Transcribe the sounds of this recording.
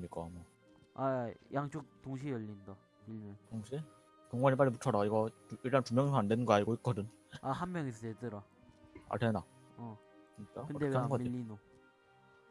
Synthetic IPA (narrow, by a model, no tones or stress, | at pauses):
mik͈ama | ajʔaŋt͡ɕ͈ok̚toŋɕ̬ʰijʌʎːinda | iɭmjʌŋtoŋɕʰi | toŋɡwaɲip̬͈aɭːimut͡ɕʰʌɾaiɡʌiɭt͈antumjʌŋisʰandenɯnŋɡʌaɲiɡoit̚k͈ʌdɯn | ahanmjʌŋesʰʌset͈ɯɾa | a̰ɭtʰena | ʌ | kɯɲik͈akɯndeɡʌamiːino